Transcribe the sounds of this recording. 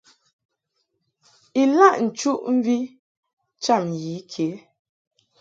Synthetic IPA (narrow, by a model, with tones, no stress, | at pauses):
i˨la˦˨ʔn̩˨t͡ʃu˦ʔm̩˦vi˦ | t͡ʃa˦˨mji˨˦kʰe˨˦